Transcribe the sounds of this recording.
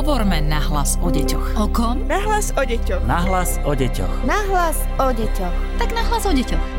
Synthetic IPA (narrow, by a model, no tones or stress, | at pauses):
ɔbɔɾmɛnaɦlasɔɟɛcɔxɔkɔnaɦlasɔɟɛcɔnaɦlas | ɔɟɛcɔ̰xnaɦlas | ɔɟɛcɔxt̪aɡnaɦlazɔɟɛcɔx